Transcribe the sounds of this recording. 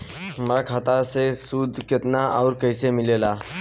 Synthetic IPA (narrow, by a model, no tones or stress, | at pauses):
mɾakʰaːt̪asesuːd̪ʱkɪt̪naʔɔːɾkəɪsemɪleːlaː